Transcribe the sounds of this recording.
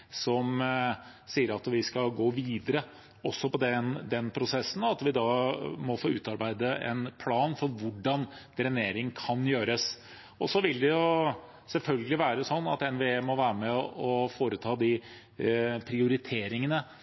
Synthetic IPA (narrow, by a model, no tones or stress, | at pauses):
sɔm | siːəɾɑt̪ʋɪskɑɡoːʋiːd̪əɾə | ɔsːɔpɔd̪ɛnd̪ɛnpʰɾʊsɛsːn̩ɑt̪ʋɪd̪ɑːmɔfoːʉ̰ːt̪ɑɾbæɪd̪əɛ̰npʰlɑːnfɔɾʋʊɖɑn | ɾɛneːɾɪŋkʰɑnjøːɾəs | ɔsɔʋɪlːd̪ɛjʊ | sɛlfœlɡəlɪʋæːɾəsɔnːɑ̰t̪ɛnʋeeːmɔʋæːɾəmɛɔfoːɾət̪ʰɑːd̪ɪ | pʰɾɪʊɾɪt̪ʰeːɾɪŋənə